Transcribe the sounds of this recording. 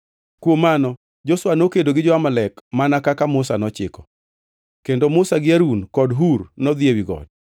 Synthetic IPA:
kwomanɔ | d͡ʒoswanokedoɡɪd͡ʒɔamalɛkmanakakamʊsanɔt͡ʃɪkɔ̥ | kendomʊsaɡɪaɾunkɔdɦurnɔd̪jewiɡɔ̰d

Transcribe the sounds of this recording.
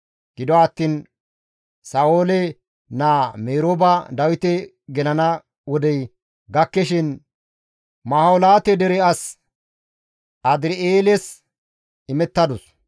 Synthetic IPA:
ɡ̥ɪd̪ɔwaːt̪ːiːn | saːwoːlɛ | naːmeːɾoːbɐd̪ɐwɪt̪ɛ | ɡɛlɐnɐ | wɔd̪ɛj | ɡɐkːɛʃɪn | mɐhɐwlaːt̪ɛd̪ɛɾɛɐs | ɐd̪ɪɾɪeːlɛs | ɪmɛt̪ːɐd̪ɔs

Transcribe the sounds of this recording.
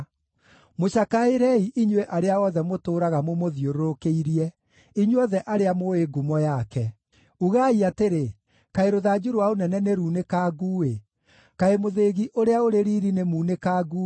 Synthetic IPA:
moʃakaeɾɛiʔiɲweʔaɾeaɔðɛmotoːɾaɣamomoðioɾoɾokeiɾiɛ | iɲwɔðɛʔaɾeamoeɡumɔjakɛ | uɣaiateɾe | kaeɾoðad͡ʑuɾwaonɛnɛneɾuːnekaːɡuwe | kaemoðeɣiʔoɾeaoɾeɾiːɾinemuːnekaːɡuː

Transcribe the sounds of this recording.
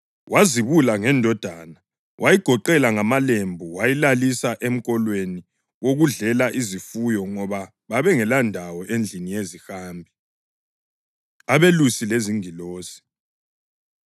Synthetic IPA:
wʔaziβulaŋɛndʱɔd̥ʱana | wʔajiɡ̥ʱɔǃɛlaŋamalembʱuwajilalisaʔem̩ɣʼɔlweni | woɣuɮɛlaʔizifujɔŋɔβa | βaβɛŋɛlandʱawɔʔend͡ɮʱinijezixaːmbʱi | aβelusileziŋiloːsi̥

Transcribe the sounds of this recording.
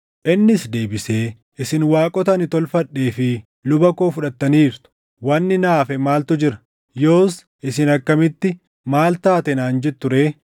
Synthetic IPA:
ʔɪnːɪsd̪e̞ːbɪse̞ː | ʔɪsɪnwaːkʼɔt̪ɐnɪt̪ɔlfɐᶑːe̞ːfɪ | lʊbɐko̞ːfʊᶑɐt̪ːɐniːɾt̪ʊ̥ | wɐnːɪnaːfɛmaːlt̪ʊd͡ʒɪɾɐ̥ | jo̞ːs | ʔɪsɪnɐkːɐmɪt̪ːɪ | maːlt̪aːt̪ɛnaːnd͡ʒɛt̪ːʊɾe̞ː

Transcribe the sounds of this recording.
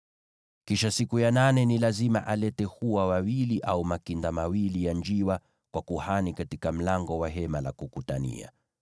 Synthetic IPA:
kiʃasikujananɛnilazima̰ʔalɛtɛhuwawawiliʔaumakindamawilijand͡ʒiwa | kwakuhanikatikam̩laŋɡɔwaɦɛmalakukutanḭa̰

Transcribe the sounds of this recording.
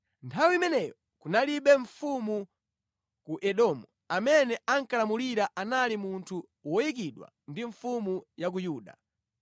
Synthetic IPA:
ntʰawimɛnɛjɔ | kunaliɓɛɱfumu | kuʔɛɗɔmu | amɛnɛaŋkalamuliɾaʔanalimuntʰu | wɔjik̬iɗwa̰ | ndiɱfumujak̬ujuːɗa̰

